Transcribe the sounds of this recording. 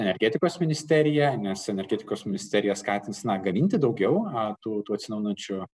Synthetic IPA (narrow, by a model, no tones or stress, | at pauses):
ɛnʲɛɾʲɡʲeːt̪ʲɪkoːsmʲɪnʲɪsʲt̪ʲæɾʲɪjɛnʲɛsɛnʲɛɾʲɡʲɛːt̪ʲɪkoːsmʲɪnʲɪsʲt̪ʲɛːɾʲɪjɛskɑːt̪ʲɪnsnɐɡɐmʲɪnʲt̪ʲɪd̪ɒʊɡʲɛʊt̪uːt̪uːɐt̪sʲɪnɐʊnɐnʲt͡ʃʲʊ